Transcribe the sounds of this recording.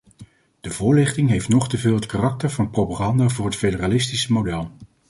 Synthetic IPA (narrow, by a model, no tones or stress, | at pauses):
d̥əvʊːɹlɪχtɪŋɦejftnɔχtəvɪːlˠɦətkarɑk̚təɹvɑnprowpaχɑndaːvʊːɹɦətfejdəraːlɪstisəmodɛlˠ